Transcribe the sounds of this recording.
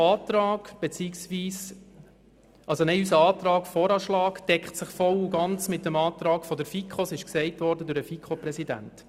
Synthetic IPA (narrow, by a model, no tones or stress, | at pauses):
ɑːtɾɑːɡ̥b̥et͡siksʋiːs | ʔɑlsonɛɪysəɑːt̪ɾɑːkfɔːɾɑʃlɑːkd̥ɛkχtsɪχfɔluɡɑnt͡smɪt̚dəmɑːt̪ɾɑːɡfɔdəɾfikχosɪʃksɛɪtʋɔɾdədʊɾəfikχopɾɛsidæ̰nt